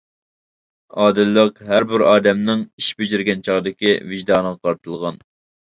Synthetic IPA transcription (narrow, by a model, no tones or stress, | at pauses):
ɑːd̪ɪlːəqɦæɾbɪɾɑːd̪ɛmnɪŋiʃbyd͡ʒyɾɡʲɛnt͡ʃʰɑʁd̪ɪkʲivɪʒd̪ɑːnəʁɑqʰɑɾt̪ʰɨlˠʁɑn